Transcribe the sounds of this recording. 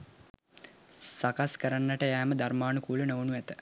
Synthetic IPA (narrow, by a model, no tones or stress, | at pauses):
sakaskəɾanːəʈəjæːməd̪armaːnukuːlənoʋənuæt̪ə